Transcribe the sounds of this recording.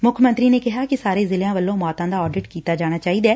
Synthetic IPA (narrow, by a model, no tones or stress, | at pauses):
mʊkʰmə̃nt̪ɾiːneːkɪɦaːkɪsaːɾeːzɪlãːʋəlːõːmaːt̪ãːd̪aːɔːɖɪʈkiːt̪aːd͡ʒaːɽ̃aːt͡ʃaːiːd̪ɛː